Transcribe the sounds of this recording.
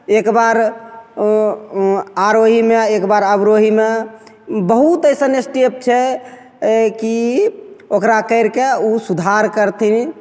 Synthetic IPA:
ekbaɾ | aɾoɦimeekbaɾəbɾoɦime | bəɦut̪əjsənesʈep̚t͡ʃʰɛ | ki | okɾakəɪɾkeusud̪ʱaɾkəɾt̪ʰini

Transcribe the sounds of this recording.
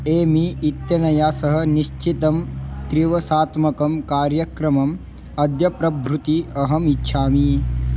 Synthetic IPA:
eːmiːt̪jɐnɐjaːsɐɦɐ̆niʃt͡ʃit̪ɐmt̪ɾiʋɐsaːt̪mɐkɐmkaːɾjɐkɾɐmɐm | ɐd̪jɐpɾɐbʱɾut̪iɐɦɐmitːʃʰaːmi

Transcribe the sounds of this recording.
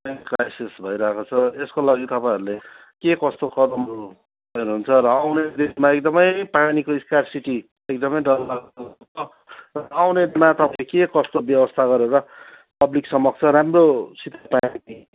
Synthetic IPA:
pakrajsisbʱʌjɾʌɦekot͡sʰʌeskolaɡit̪ʌpãĩʌɾule | kekʌst̪okʌd̪ʌmɾu | ʌenuɦunt͡sʰʌɾʌawned̪ismaek̚d̪ʌmʌjpanikoiskarsiʈi | ekd̪ʌmʌjɖʌlːaɡʌ | o | rʌawnedmat̪ʌpãekekʌst̪objʌbʌst̪ʰaɡʌɾeɾʌ | pʌbliksʌmʌɡ̚t͡sʰʌɾamrosit̪ːapanii

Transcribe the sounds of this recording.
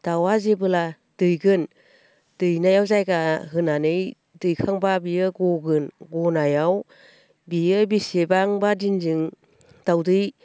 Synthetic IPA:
d̥awazebɯla | d̥ɯjɡɯn | d̥ɯjnajawzajɡaɦɯnanɯj | dɯjkʰaŋbabijɯɡɔɡɯnɡɔnajaw | bijɯbisebaŋbadinzɯŋ | d̥awdɯj

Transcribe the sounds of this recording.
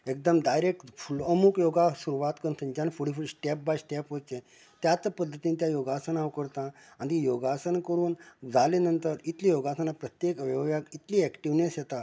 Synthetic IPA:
ek̚d̪əmdajɾek̚ʈfuləmukjoɡasuɾuʋat̪kənt̪ʰənd͡ʑanfuɽifuɽisʈɛp̚bajsʈɛpɦot͡ɕẽ | t̪jat͡spəd̪ʱːət̪iːnit̪jajoɡasənaʋkəɾt̪ã | ãɳdijoɡasənkəɾuːnd͡zalenənt̪əɾit̪lijoɡasənapɾət̪jekʋəʋʋjakit̪liːɛkʈiʋnesjɛt̪a

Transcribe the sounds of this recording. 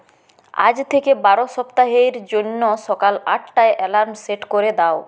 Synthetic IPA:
a̰d͡ʑt̪ʰekebaɾoʃɔpt̪aɦeɾd͡ʑonːoʃɔkalaʈʈaeʔɛlaɾmseʈkoɾed̪ao

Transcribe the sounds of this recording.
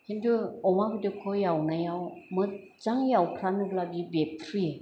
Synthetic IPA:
hendʰɯɔmabɯdɯkʰɔjawnajawmɯ | t͡ʃaŋjawpʰɾanɯɡlabibek̚pʰɾije

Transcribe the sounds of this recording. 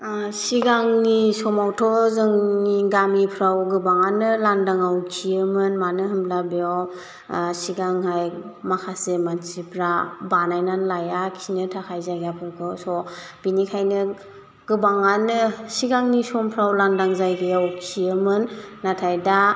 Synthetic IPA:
siɡaŋnisɔmawtʰɔzɯŋniɡamipʰɾawɡɯbaŋanɯlandaŋawkkʰiɯmɯnmanɯɦɯmlabeaw | siɡaŋɦajmakʰasemansipʰɾabanajnanlajakʰinɯtʰakʰajzajɡapʰɔwkʰɔsɔ | b̥inikʰajnɯ | ɡ̥ɯbaŋanɯsiɡaŋnisɔmpʰɾawlandaŋzajɡɯjawkʰiɯmɯnːatʰajda

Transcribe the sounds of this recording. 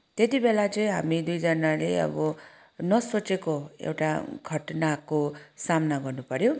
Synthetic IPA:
t̪et̪ibelat͡sʌĩɦamid̪ujd͡zʌnaleʌ̰bʌ | nʌsot͡sekoḛwʈaɡʱʌʈnakosamnaɡʌrnupʌɾjo

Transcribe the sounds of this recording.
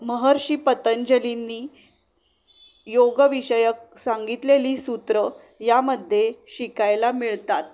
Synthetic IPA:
məɦəɾɕipət̪əɲd͡ʑəlinːiː | joɡəʋiɕəjək̚saŋɡit̪leliːsut̪ɾə | jaməd̪ʱːjeɕikajlamiɭt̪at̪̚

